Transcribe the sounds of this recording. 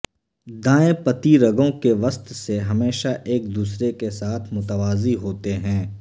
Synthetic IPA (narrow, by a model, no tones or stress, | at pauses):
d̪ãːepɐt̪iɾɐɡõkeʋɐst̪seɦɐmeːʃaʔeːk̚d̪uːsɾekesaːt̪ʰmʊt̪əʋaːziɦoːt̪eɦɛ̃ː